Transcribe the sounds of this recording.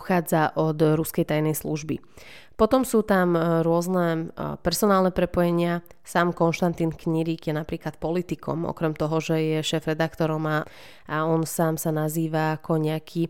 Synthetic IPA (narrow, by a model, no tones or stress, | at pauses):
xaːd͡zaʔɔd̪ɾuskɛjt̪ajnɛjsluʒbi | pɔt̪ɔmsuːt̪amɾʊɔznɛpɛɾsɔnaːlnɛpɾɛpɔjɛɲɪa | saːmkɔnʃt̪ant̪iːnkɲiɾiːɡjɛnapɾiːklat̪̚pɔlit̪ikʰɔ̰mʔɔ̰kɾɛmt̪ɔɦɔʒɛjɛʃɛːfɾɛd̪akt̪ɔɾɔma | ʔaɔnsaːmsanaziːʋaːkʰɔɲɛakʰi